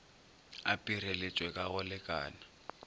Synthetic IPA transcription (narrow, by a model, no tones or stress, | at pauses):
apʼirelet͡ʃʼwɛkʼaɣʊlɪkʼa̰ːna